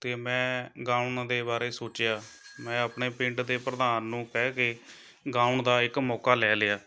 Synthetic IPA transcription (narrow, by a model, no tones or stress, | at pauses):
t̪eːmɛ̃ːɡãːuɳd̪eːbaːɾeːsoːt͡ʃjaːmɛ̃ːəpɳeːpɪ̃ɳʈd̪eːpɾəd̪aːnːũːkɛːkeː | ɡãːuɳd̪aːɪkmɔːkaːlɛːlɪjaː